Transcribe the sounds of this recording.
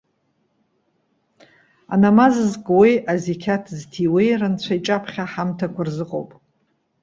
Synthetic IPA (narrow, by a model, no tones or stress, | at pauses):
a̰namazzkʼwejʔazikʲʰatʰztʰiwejrɨnt͡sʷʰait͡ʃʼapʰχʲaħamtʰakʷʰarzɨqʼo̰wpʼ